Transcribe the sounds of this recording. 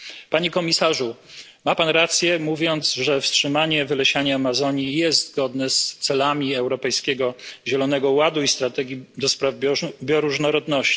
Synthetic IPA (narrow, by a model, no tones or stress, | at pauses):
paɲekɔmʲisaʐu | mapanɾat̪sʲjɛmuvʲjɔnd̪zʐɛfstʂɘmaɲɛvɘlɛɕaɲaːmazɔɲijɛs̬t̪zɡɔd̪nɛst̪sɛlamʲiɛwɾɔpɛjskʲɛɡɔʑɛlɔnɛɡɔwad̪uist̪ɾat̪ɛɡʲjid̪ɔspɾavbbʲjɔɾuʐnɔɾɔd̪nɔɕt͡ɕi̥